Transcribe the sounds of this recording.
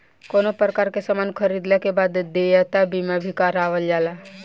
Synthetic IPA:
koːnopɾəkaːɾkesəmankʰəɾid̪lekebaːd̪d̪ejat̪abimabʱikaɾaːʋəld͡ʒaːla

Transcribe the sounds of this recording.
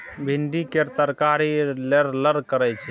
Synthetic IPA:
bʱinɖikeɾt̪əɾkaɾileɾləɾkəɾɛt͡ʃʰɛ

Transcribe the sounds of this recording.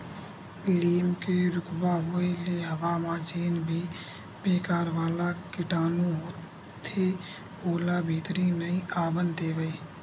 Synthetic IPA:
piːɽiəmkeɾʊkbaɦʊeleɦɐʋaːmãːd͡ʒiːnbʱi | beːkaːɾʋaːlakɪʈaːnõɦoː | t̪ʰe | oːlabʱiːt̪ɾinəĩaːʋənd̪eːʋəe

